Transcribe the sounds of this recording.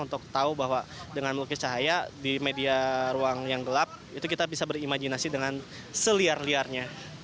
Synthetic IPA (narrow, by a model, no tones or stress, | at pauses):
unt̪ʊk̚t̪aubaɦwadəŋanmlukɪt͡ʃaɦajadimediaɾuaŋjaŋɡəlap̚it̪ukit̪abisabəɾimad͡ʒinasidəŋan | səliarliarɲa